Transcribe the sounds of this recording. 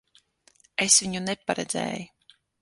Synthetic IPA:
esvʲiɲunepaɾɛd̪zʲḛːju

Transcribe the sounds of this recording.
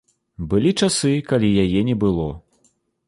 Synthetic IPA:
bɨlʲit͡ʂasɨkalʲijajɛnʲɛbɨlˠɔ

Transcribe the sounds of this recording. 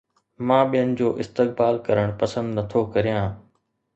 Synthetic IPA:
mãːɓijənɪ̆d͡ʑoːʔɪst̪ɪk̚baːlkɐɾəɽ̃pɐsə̃nd̪nɐt̪ʰokɐɾijãː

